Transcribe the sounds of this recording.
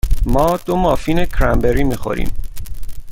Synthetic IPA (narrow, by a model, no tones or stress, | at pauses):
mɒːd̪̥o̞mɒːfiːnekʰɾæmbeɾiːmiːxo̞̰ɾḭːm